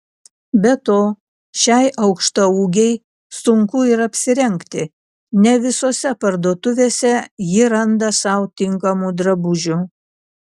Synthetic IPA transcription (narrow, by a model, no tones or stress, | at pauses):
bʲɛt̪oː | ʃʲɛɪʔɐʊkʃt̪ɐuːɡʲɛɪ | sʊŋkʊɪɾɐpʲsʲɪɾʲɛŋʲˑkt̪ʲɪ | nʲɛʋʲɪsoːsʲɛpɐɾd̪oːt̪ʊʋʲeːsʲɛjɪɾɐnd̪ɐsɑˑʊt̪ʲɪŋkɐmud̪ɾɐbʊʒʲʊ